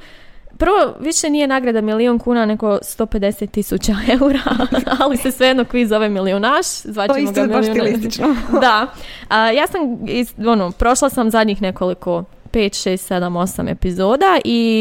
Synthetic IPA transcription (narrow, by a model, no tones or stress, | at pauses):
pr̩ʋo̞ʋiʃe̞nije̞naːɡɾad̪amilionkuːnane̞ɡo̞st̪o̞ːpe̞d̪e̞set̪ːisut͡ɕaeuɾaalise̞sʋeed̪nokʋizo̞ʋemilionaʃzʋaːt͡ɕeisɡ̪amiaiolit̪t͡ʃnod̪aəjaːsamionopɾo̞ʃlˠasamzad̪ɲiːxne̞ko̞liko̞ | pe̞ːt̪ʃeːst̪sed̪amo̞sa̰me̞̰pizo̞ːd̪aʔi